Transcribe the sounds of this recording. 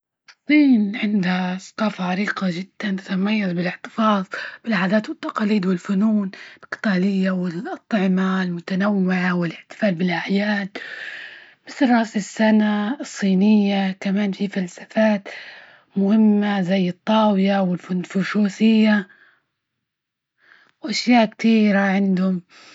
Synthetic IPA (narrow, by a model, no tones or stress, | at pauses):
sˤːiːnʕɪnd̪hasˤɑ̥qɑːfaʕaɾiːqaʒɪd̪̥ːant̪at̪amajːazbɪlɪʕt̪ɨ̥fɑːðˤb̥ɪlʕaːd̪aːt̪wɪt̪ːɑqɑːliːd̪wɪlfʊnuːnlqɨ̥t̪aːlɪjːawɪlʔɑt̪ˤʕɪmalmʊt̪anawːɪʕawɪlʔɪħt̪ɪ̥faːlbɪlʔaʕjaːd̪ | mɪθlrˤɑːsɪsːanaɨsˤːiːnɪjːakamaːnfifalsḁfaːt̪ | mʊhɪmːazajːɨt̪ˤːɑːwɪjawɪlffʊʃuːsɪjːa | wʔaʃjaːʔkt̪iːɾaʕɪnd̪hʊm